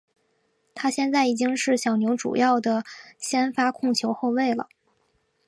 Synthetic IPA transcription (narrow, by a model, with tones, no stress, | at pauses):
t̪ʰa˥ɕjɛ˥˧nt͡sa˥˩ɪi˨˩t͡ɕi˥ŋʂɻ̩˥˩ɕjɑ˨˩ʊnjo˧˥ʊʈ͡ʂṵ˨˩jɑ˥˩ʊd̪ə˩ɕjɛ˥nfa˥kʰʊ˥˧ŋt͡ɕʰjo˧˥ʊxo˥˧ʊwe˥˩ɪlə̰˩